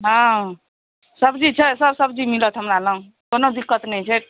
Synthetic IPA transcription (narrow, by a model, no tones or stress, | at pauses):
ɦã | səbd͡ʒit͡ʃʰəsəbsəbd͡ʒimilət̪ʰɦəmɾalə̃ | konod̪ikːət̪nəjt͡ʃʰet̪̚